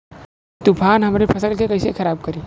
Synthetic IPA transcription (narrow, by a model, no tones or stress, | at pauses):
t̪ʊpʰaːnɦɐmɾepʰɐsəlkekɐɪsekʰɐɾaːb̚kɐɾiː